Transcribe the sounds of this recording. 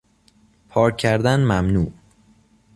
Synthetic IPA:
pʰɒːɾʰːæɾd̪ænmæmnuːʔ

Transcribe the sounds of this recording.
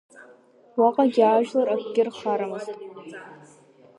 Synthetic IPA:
waqʼaɡʲɪaʒᶣlaɾakʷʰʼɡʲɪrχaɾamɨztʼ

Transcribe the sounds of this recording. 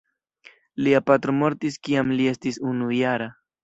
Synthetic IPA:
liapat̪ɾomo̞ɾtiskiamlie̞stisunujaɾa

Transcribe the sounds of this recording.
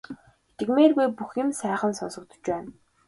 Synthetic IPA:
t̪ʰĕɣmeːrɣujpuxɪ̆msæːχə̆nsɔnsɞ̆k̚t̪ɞ̥̆t͡ɕpæːn

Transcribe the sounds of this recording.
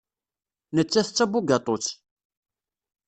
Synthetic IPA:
nət͡sːæθət͡sːæbuɡɑt̪ˤot͡sː

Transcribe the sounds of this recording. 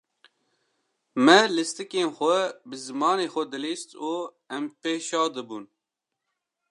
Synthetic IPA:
mɛlɨst̪ɨkeːnxʷɛbɨzɨmɑːneːxʷɛd̪ɨliːst̪uː | ɛmpeːʃɑːd̪ɨbun

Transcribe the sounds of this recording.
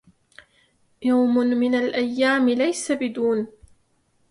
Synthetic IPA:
jawmʊnmɪnalʔajːaːmɪlajsabɪd̪uːn

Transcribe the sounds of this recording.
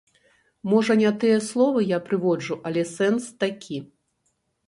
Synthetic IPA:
mɔʐɐnʲat̪ɨjɛslˠɔvɨjapɾɨvɔd͡ʐuʔɐlʲɛsɛnst̪akʲʰi

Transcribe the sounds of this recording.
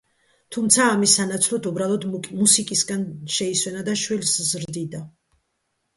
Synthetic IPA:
t̪ʰumt̪sʰaːmisːanat̪sʰlˠɔt̪ʰubɾalˠɔd̪musikʼisɡanʃɛiswɛnad̪aʃwilszɾd̪id̪a

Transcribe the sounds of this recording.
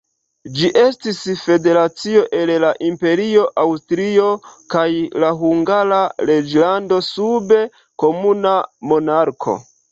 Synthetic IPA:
d͡ʒiʔe̞stisfe̞de̞ɾat͡sio̞ʔe̞llaʔimpe̞ɾio̞ʔawstɾio̞kajlaɦuŋɡaɾaɾe̞d͡ʒlando̞sube̞ | ko̞munamo̞naɾkʰo̞̰

